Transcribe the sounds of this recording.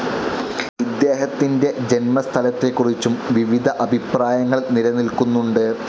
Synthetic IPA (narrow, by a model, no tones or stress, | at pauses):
id̪ːeːɦɐt̪ːinde̞d͡ʑe̞nmɐst̪ʰɐlɐt̪ːekːurit͡ɕːumʋiʋid̪ʱɐʔɐbʱipraːjɐŋːɐɭniɾɐnilkunːuɳɖɨ